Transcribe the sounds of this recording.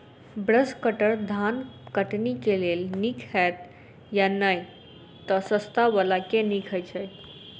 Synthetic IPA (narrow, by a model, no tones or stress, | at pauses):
bɾəskəʈəɾd̪ʱankəʈnikelelnikʰɛt̪ | janaj | t̪ɔsəst̪aʋəlakenikʰəjt͡ɕʰəj